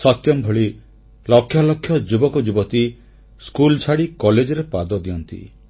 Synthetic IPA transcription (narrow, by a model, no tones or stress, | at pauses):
sɔt̪jɔmbʱɔɭi | lɔkʰːjɔlɔkʰːjɔd͡ʒubɔkɔd͡ʒubɔt̪i | skult͡ʃʰaɽikɔled͡ʒɔɾepad̪ɔd̪iɔnt̪ḭ